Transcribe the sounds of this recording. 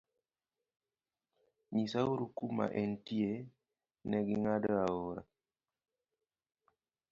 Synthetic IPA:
ɲisauɾukuma̰ʔɛntie | nɛɡiŋadəaoɾa̰

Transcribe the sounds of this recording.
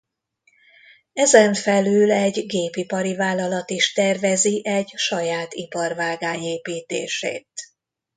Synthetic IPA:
ɛzɛɱfɛlyːlɛɟɡeːpipɒɾivaːlːɒlɒt̪iʃt̪ɛrvɛziʔɛɟʃɒjaːt̪ipɒrvaːɡaːɲeːpiːt̪ḛːʃḛːt̪

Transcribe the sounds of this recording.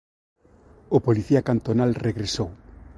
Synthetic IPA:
ʊpoliθiakant̪onalreɣɾesow

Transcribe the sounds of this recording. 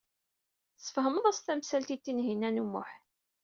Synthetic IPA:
sə̥fhəməðˤæst̪æmsælt̪it̪ːinɦinænumːʊ̰ħ

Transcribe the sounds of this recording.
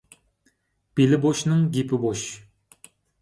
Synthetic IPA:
b̥ilɪboʃnɨŋɡʲipɪboʃ

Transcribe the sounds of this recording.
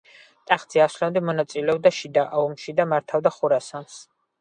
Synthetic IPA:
t̪ʼaχd̪z̥iaslamd̪ɛmɔnat̪sʼilɛɔb̚d̪aʃid̪aʔaumʃid̪amaɾt̪ʰavd̪aχuɾasans

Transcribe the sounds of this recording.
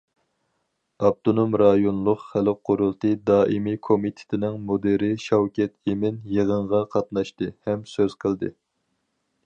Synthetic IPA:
ɑb̚t̪ʰonomɾɑjonlˠʊqχælqʰːoɾulˠt̪ɨd̪ɑːʔimikʰomit̪ʰɪ̥t̪ʰɪnɪŋmod̪eɾɪʃɑwkʲɛt̪emɪnjəʁəɴʁɑqʰɑt̪nɑʃt̪ɨhɛmsøz̥qʰəlˠd̪ɨ̰

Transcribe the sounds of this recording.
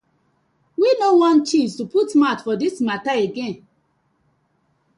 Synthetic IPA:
winõwɔ̃nt͡ʃiztuputmatfɔdismataeɡɛ̃n

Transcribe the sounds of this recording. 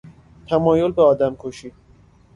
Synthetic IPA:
t̪ʰæmɒːjolbeɒːd̪æmkʰoʃiː

